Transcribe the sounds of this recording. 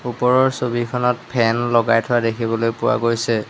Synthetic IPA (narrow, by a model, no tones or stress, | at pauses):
upɔɹɔɹsobikʰɔnɔt̚pʰɛnlɔɡajtʰʊwadekʰibɔlojpʊwa̰ɡojsɛ